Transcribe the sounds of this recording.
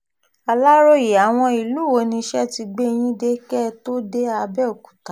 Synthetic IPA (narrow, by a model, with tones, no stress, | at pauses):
a˨˧la˦ɾo˦ji˨a˨w̃ɔ̃˧i˨lu˦˨wo˧˦nĩ˧ʃɛ˦ti˧ɡ͡be˦˧j̃ĩ˦de˦kɛ˦to˦de˦a˧bɛ˦o˨ku̥˨ta˨˦